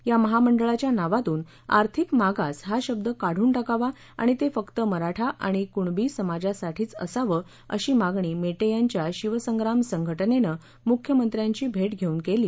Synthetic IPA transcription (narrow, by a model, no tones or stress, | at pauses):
jaməɦaməɳɖəɭat͡ɕjanaʋat̪uːn | a̰ɾt̪ʰikmaɡasɦaɕəb̚d̪əkaɽ̤uːɳʈakaʋa | a̰ɽ̃it̪efəkt̪əməɾaʈʰaʔa̰ɽ̃ikuɳbiːsəmad͡ʑasaʈʰiːt͡sə̰saʋəː | ə̰ɕiːmaɡɳiːmeʈejaɲt͡ɕjaɕiʋəsəŋɡɾamsəŋɡʱəʈənenə | mukʰjəmənt̪ɾjaɲt͡ɕiːbʱeʈɡʱeuːnkeliː